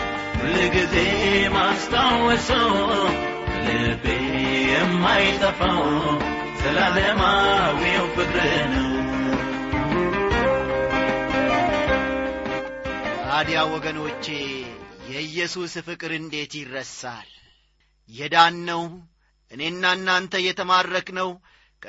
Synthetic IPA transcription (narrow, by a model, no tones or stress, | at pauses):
wɨlɨɡizejmast̪ʰʼawəsəw | ɨlɨbejɛmːajt̪ʼəfəw | sɨlatəmawijɛwfɨkʼɾɨnəw | ʔad̪ijawɔɡənot͡ʃːe̞jɛɨjːɛsusfɨkʼɨɾɨnd̪e̞t̪jɪrːəsːa̰l | jɛd̪anːəw | ʔɨne̞ɨnːanːant̪ʰəjɛt̪ʰəmadɾəknəw | kʼ